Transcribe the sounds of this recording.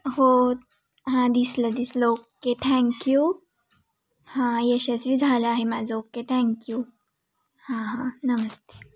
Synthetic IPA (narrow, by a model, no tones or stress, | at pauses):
ɦo | ɦãd̪islɐd̪islookːet̪ʰɛ̃ŋkju | hãjeɕɐsʋid͡zʱaːlaːɦemaːd͡zoːkːet̪ʰɛ̃ŋkju | hãɦãnɐmɐst̪e̥